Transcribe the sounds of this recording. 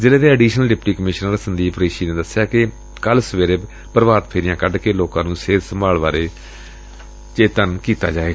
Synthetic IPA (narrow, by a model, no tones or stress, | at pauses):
zɪleːd̪eːəɖiːʃnəlɖɪpʈiːkəmɪʃnəɾsənd̪iːpʰɾeːʃiːnẽːd̪əsːɪjaːkɪ | kəlsəʋeːɾeː | pəɾʋaːɾt̪pʰeːɾɪjãːkəɖkeːloːkãːnũːseːɾsəmbaːlʋaːɾeː | t͡ʃeːt̪ənkiːt̪a̰ːd͡ʒaːeːɡ